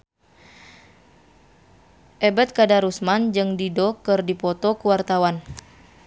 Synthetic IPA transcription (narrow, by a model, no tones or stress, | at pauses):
ʔɛbɛt̪̚kadaɾusmand͡ʒɨŋdidɔkɨrdipɔt̪ɔkuwart̪awan